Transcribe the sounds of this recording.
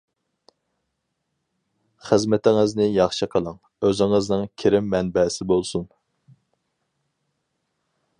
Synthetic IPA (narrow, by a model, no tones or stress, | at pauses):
χəzmɛt̪ʰɪŋɨznɪjɑχʃɨqʰəlˠɑŋ | øzɪŋɨznɨŋkʲʰeɾɪmːɛnbɛsɪbolˠsun